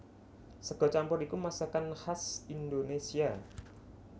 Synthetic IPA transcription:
səɡ̥ɔ̤t͡ʃampɔrikumasakanhasindonesia

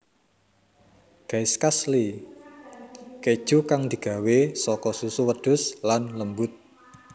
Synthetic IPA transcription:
ɡ̥ajskasli | ked̥ʒ̥ukaŋd̪̥i̤ɡ̥ä̤wesɔkɔsusuwəd̪̥ʊ̤slanləmbʊt̪̚

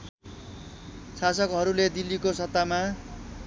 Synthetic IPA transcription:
sasʌkɦʌɾuled̪ilːikosʌt̪ːama

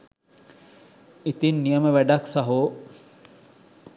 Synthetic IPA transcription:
it̪inːijəməʋæɖaksaɦoː

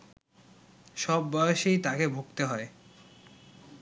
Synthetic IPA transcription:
ʃɔbːɔeoʃejt̪akebʱoɡt̪eɦɔe

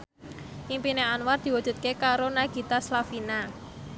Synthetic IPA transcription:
ʔimpineanward̪̥i̤wu̥ʒ̥ṳt̪̚kekaɾonaɡ̥i̤t̪aslafina

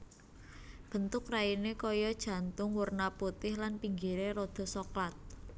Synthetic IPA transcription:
b̥ə̤nt̪ʊkrainekɔjɔd̥ʒ̥ä̤nt̪ʊŋwʊrnaput̪ɪhlanpiŋɡiɾeɾod̪̥ɔ̤sɔklat̪̚

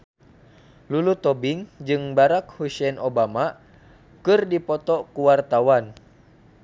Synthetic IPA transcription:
lulut̪ɔbɪŋd͡ʒɨŋbaɾak̚husɛnʔobama | kɨrdipɔt̪ɔkuwart̪awan

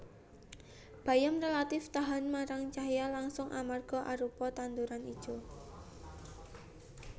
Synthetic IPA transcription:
b̥a̤jamrelat̪ɪft̪aɦanmaɾaŋt͡ʃaɦjalaŋsʊŋʔamarɡ̥ɔ̤ʔaɾupɔt̪and̪uɾanid̥ʒ̥ɔ̤

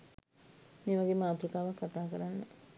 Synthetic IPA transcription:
meːʋaɡemaːt̪uɾikaːʋakːat̪aːkəɾanːə̰

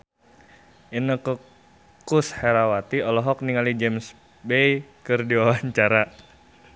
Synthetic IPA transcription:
ʔinəkə | kusheɾawat̪iɔlɔɦɔk̚niŋalid͡ʒɛms | bejkərdiwawaɲt͡ʃaɾa

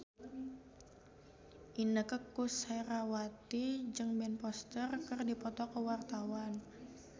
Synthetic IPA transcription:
ʔinəkəkusajɾawat̪id͡ʒɨŋbɛnpɔst̪ərkərdipɔt̪ɔkəwart̪awan

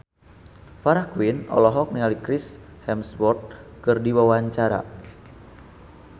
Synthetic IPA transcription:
faɾahkwinɔ̰lɔɦɔk̚niŋalikɾishɛmsbɔrt̪̚kɨrdiwawaɲt͡ʃaɾa̰

